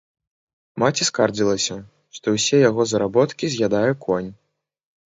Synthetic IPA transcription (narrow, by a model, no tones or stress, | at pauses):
mat͡sʲiskard͡zʲilˠɐsʲɐ | ʂt̪ɔwsʲɛjaɣɔzɐɾabɔt̪kʲizʲɣʲad̪ajukɔnʲ